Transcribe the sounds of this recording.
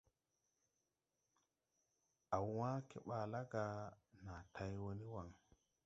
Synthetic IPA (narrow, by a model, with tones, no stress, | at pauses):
a˨wwãː˦ke˨ɓaː˨la˦ɡa˨na˨tʰa˦jwo˦ni˦wa˨ŋ